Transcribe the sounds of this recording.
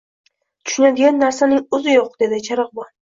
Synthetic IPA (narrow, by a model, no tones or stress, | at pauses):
t̪ʰʊ̥ʃʊnad̪ɪɡʲanːaɾsanɪŋʊzɪjoq̚d̪̥e̞d̪ɪt͡ʃʰaɾɨq̚bɒn